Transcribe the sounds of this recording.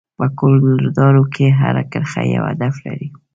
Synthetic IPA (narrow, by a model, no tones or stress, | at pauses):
pəkolonɪɾd̪ɑɾokʰeɦaɾakəɾxajawad̪aflaɾi